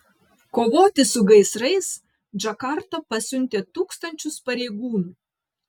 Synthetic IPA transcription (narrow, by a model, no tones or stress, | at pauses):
koːʋoːt̪ʲɪsʊɡɐɪsɾɐɪs | d͡ʒɐkɑˑɾt̪ɐpɐsʲʊnʲt̪ʲeːt̪uːkst̪ɐnʲt͡ʃʲʊspɐɾʲeːɡuːnu